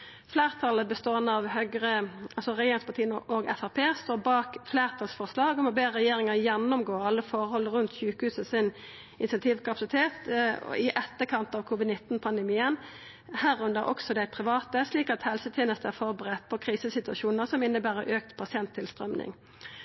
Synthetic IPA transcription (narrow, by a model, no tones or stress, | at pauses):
fleːʁt̪ʰɑlːəbəst̪oːɛnːəɑʋhœɡɾəʔɑlsɔʁɛjeːɾɪŋspɑt̪ʰiːənoɡɛfɑpʰeːst̪oːbɑːkfleːʁt̪ʰɑlsfɔʁslɑːɡɔmɔbeːʁɛjeːɾɪŋəʁjɛnːɔmɡoːɑlːəfɔɾhɔlːəɾʉnt̪sʉːkəhʉːsəsɪn | ʔɪnsɛnt̪ʰiːʋkɑpɑ̥sɪt̪ʰeːt̪ɪʔɛt̪ːəkʰɑnt̪ɑːʋkʰuːʋɪd̪nɪt̪ːn̩pʰɑnd̪əmiːən | hæʁʊnd̪əæɾʔɔ̰ksɔd̪æɪpʰʁɪʋɑːt̪əsliːkɑt̪hɛlsət̪ʰjeːnəst̪əæʁfɔʁbəʁɛt̪̚ːpʰɔkʰɾiːsəsɪt̪ʉɑʃuːnəʁsɔmɪnːəbæːɾəʔøːkt̪pʰɑsɪɛnt̪ʰːɪlst̪ʁœmnɪ̰ŋ